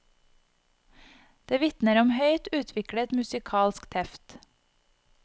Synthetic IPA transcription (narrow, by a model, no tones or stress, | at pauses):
d̪̥eːʋɪt̪nəɾɔmhœʏt̪ʉːt̪ʰʋɪkɽət̪mʉsɪkʰɑːlskt̪ʰɛft̪